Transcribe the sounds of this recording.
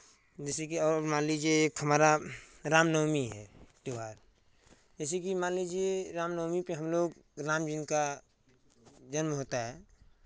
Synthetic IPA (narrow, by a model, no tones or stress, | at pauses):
d͡ʒɛːsekiɔːmaːnlid͡ʒeeːkɦəmaːɾaɾaːmnɔːmiɦɛ̰ːʈ̪eʋaːɾ | d͡ʒɛːs̬ekimaːlid͡ʒiɾaːmnɔːmipeɦəmloːɡɾaːmd͡ʒinka | d͡ʒənmɦoːt̪aɦɛː